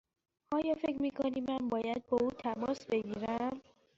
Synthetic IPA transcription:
ʔɒːjɒːfe̞kcʰɾmiːkʰoniːænbɒːjæd̪̚bɒːuːt̪ʰæmɒːsbe̞ɡiːɾæm

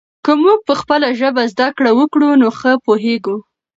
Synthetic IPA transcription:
kəmuɡ̚pəxpəlaʒəbazd̪akɽawəkɽunoxəpoɦeɡu

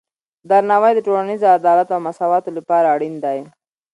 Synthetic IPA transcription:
d̪aɾnawajd̪əʈolanizoad̪ɑlat̪oawmasɑwɑt̪olapɑɾaːɽind̪aj

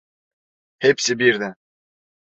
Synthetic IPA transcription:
hepsɪbiɾd̪ɪ

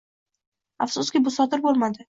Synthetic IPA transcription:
afsʊskʲɪbʊsɒd̪ɪɾbolˠmad̪ɪ

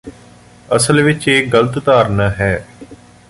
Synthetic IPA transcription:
əsəlʋɪt͡ʃeːɡələt̪d̪aːɾnaːɦɛː

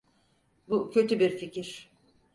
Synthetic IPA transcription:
bucʰø̞t̪ʰybiɾficiɾ̥

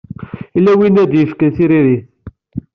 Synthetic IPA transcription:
ilːæwinæd̪jəfkənθiɾiɾiθ

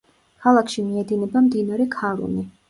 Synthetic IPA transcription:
kʰalˠakʰʃimiɛd̪inɛbamd̪inaɾɛkʰaɾṵni

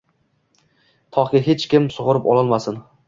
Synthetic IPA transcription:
t̪ʰɒʁɡʲaɦet͡ʃkʲɪmsʊʁʊɾɪpɒlˠɒlˠmasɪn

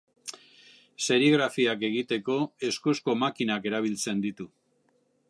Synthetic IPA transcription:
se̞ɾiɣɾafiake̞ɣit̪e̞ko̞e̞skusko̞makinake̞ɾaβ̞ilt͡se̞nd̪it̪u

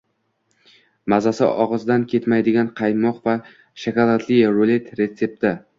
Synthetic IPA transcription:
mazasɪ̰ʔɒʁɨzd̪ankʲʰe̞t̪majd̪ɪɡʲanqʰɑjmɒqva | ʃakʲalˠat̪ʰlɪjɾole̞t̪ɾe̞t̪se̞p̚t̪ɪ

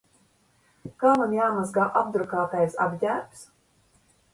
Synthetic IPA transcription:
kaːmanjaːmazɡaːʔab̚d̪ɾukaːt̪ɛjsabʲdʲæːps

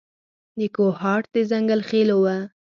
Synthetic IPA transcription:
d̪əkohɑʈ̚d̪əzaŋɡalxelowa

